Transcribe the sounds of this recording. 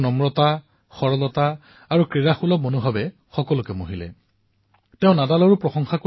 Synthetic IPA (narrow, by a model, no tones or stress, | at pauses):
nɔmɹɔta | xɔɹɔlɔta | aɹukɹiɹaxulɔmonubʱabɛ | xɔkɔlʊkɛmoɦilɛ̰ | teʊ̃nadalɔɹupɹɔxɔŋxako